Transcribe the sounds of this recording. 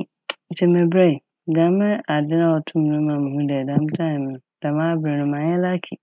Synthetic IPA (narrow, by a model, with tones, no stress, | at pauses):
n̩˨tʰɛ˨mɛ̃˨bɾa˦i˨ | dã˨˦mɪ̃˦a˨dɪ˦nã˦˨wɔ˨tʰʊ̃˦m˦nʊ̃˦mã˨mɪ̃˨hũ˦dɛ˨dã˨˦m˦tʰã˦nɪ̃˨m˨nʊ̃˨d̥a˨mã˦bɾɪ˨nʊ̃˦mã˨˦ɲɛ˦la˦kʰi˨